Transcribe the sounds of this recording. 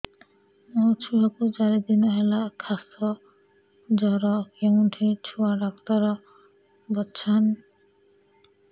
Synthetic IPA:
ɔt͡ʃʰuɦakud͡ʒaɾed̪inaɦɛlakʰasɔ | d͡ʒɔɾɔkeŋunʈʰit͡ʃʰuaɾakt̪aɾɔ | bɔtːʃʰan

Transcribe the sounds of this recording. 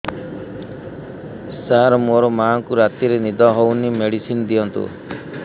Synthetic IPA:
saɾmoɾɔmaŋkuɾat̪iɾenid̪ɔɦownimeɽisinɔd̪iɔnt̪ṵ

